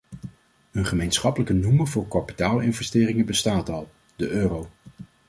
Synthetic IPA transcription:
ɵnχəmejnsχɑpələkənuməvʊːɹkɑpi̥taːlˠɪnvɛstɪːrɪŋəbəstaːtɑlˠ | d̥əʔøːrow

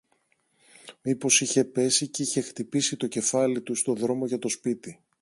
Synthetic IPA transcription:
mipo̞siçe̞pe̞siceiçe̞xt̪ipisit̪o̞ce̞fɐlit̪ust̪o̞ðɾo̞mo̞ʝɐt̪o̞spit̪i

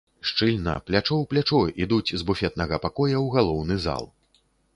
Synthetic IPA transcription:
ʂt͡ʂɨlʲnɐ̰plʲat͡ʂɔwplʲat͡ʂɔid̪ut͡sʲzbufʲɛt̪̚nɐɣɐpakɔjɐwɣalˠɔwnɨza̰lˠ

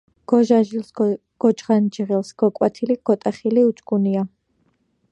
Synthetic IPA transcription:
ɡ̥ɔʒaʒils | ɡ̥ɔt͡ʃʁand͡ʒʁɛlˠsɡ̥ɔkʼwat̪ʰiliɡ̥ɔt̪ʼaχiliut͡ʃʼɡunia

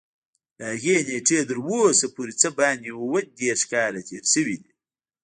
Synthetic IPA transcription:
ləhaɣeneʈ͡ʂet̪əɾwosapoɾit͡səbɑːnd̪wwəd̪eɾʂkɑːɾat̪ʰeːɾʃəwid̪i

